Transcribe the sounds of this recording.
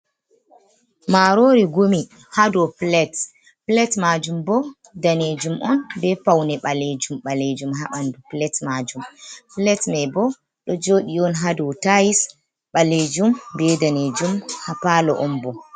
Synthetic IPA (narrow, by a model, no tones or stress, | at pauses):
maɾoɾiɡomi | hadɔplɛt | plɛtmad͡ʒumbɔ | daned͡ʒumʔɔnbɛpawnɛɓaled͡ʒumɓaled͡ʒumɦaɓanduplɛtmad͡ʒumplɛtmɛbɔ | ɗɔd͡ʒoːɗiɔnɦadɔtajis | ɓaled͡ʒumbɛdaned͡ʒumhapalɔʔɔnbɔ